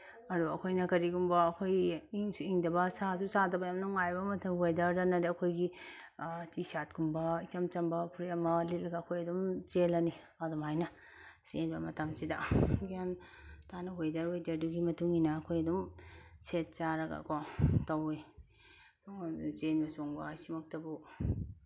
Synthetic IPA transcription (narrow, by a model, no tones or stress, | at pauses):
ɐduɐkʰojnɐkɐɾiɡumbɐːkʰojiŋsuiŋdɐbɐsasusadɐbɐjamnuŋajbɐmɐtʰɐmɦojdɐɾdɐnɐdiɐkʰojɡi | tʰisat̚ɡumbɐit͡ʃɐmt͡ʃɐmbɐpʰuɾiɐmɐlet̚lɐɡaːkʰojɐdumt͡ʃelɐni | adɔmajnɐ | senbɐmɐtamsidaɡian | tʰanɐɦojdɐɾwojdaɾduɡimɐtuŋinaːkʰojɐdumset̚t͡ʃaɾɐɡa̰kʰɔtawej | t͡ʃenbɐsoŋbasimɐk̚tɐbu